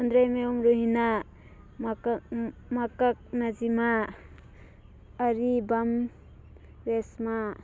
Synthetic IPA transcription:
and̪ɾajmeɔmɾoɦina | m | makak̚nad͡ʒima | ɾibam | ɾesma

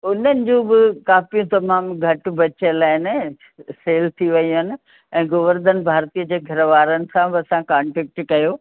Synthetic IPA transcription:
ʊnənɪ̆d͡ʑũːbɪkaːfijũt̪ɐmaːmɡʱɐʈbɐt͡ɕelaːɪnɪ̆ | seːlt̪ʰiʋɐjũɦɪnɪ̆ | ɛ̃ːɡʊʋəɾd̪ənɪ̆bʱaːɾt̪iəd͡ʑeːɡʱɐɾəʋaːɾənɪ̆sãbɪɐsãkãːɳʈɾɛk̚ʈkɐjoː

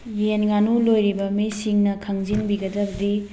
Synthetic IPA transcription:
jenŋɡanulojɾibɐmisiŋnɐkʰɐŋzinbiɡɐdɐbɐd̪i

